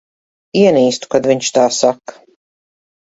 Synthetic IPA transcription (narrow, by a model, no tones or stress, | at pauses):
iɛniːst̪u̥kad̪viɲt͡ʃt̪aːsak